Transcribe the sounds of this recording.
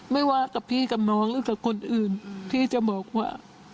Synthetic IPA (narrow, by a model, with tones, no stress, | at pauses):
ma˥˩jwaː˧˥˩ka˨˩pʰiː˥˩ka˨˩p̚nɔː˦˥ŋlɯː˨˦ka˨˩kʰo˧nʔɯː˨˩npʰiː˥˩t͡ɕa˨˩bɔː˨˩k̚waː˥˩